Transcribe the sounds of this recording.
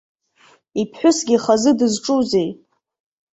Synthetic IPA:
ipʰħʷᶣʊsɡʲiχazɨdɨzʈ͡ʂʼuze̞j

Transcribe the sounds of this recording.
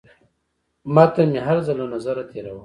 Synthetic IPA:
mɑt̪amiɦaɾzalonazaɾat̪ʰeɾawə

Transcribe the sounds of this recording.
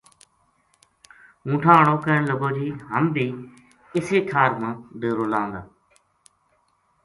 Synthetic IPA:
ũːʈʰãːəɳoːkəɳləɡoːd͡ʒiːɦəmbiː | ɪseːkʰaːɾmãːɖeːɾoːlãːnd̪aː

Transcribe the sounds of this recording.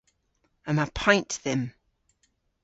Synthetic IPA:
ə̃naɪpʰɔ̃ɪ̃nʔðə̃m

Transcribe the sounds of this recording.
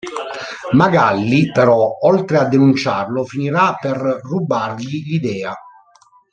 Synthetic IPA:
maɡalːipɛɾɔɔlt̪ɾead̪ːenunt͡ʃarlʊfiniɾapɛrrubarʎiʎid̪ɛːa

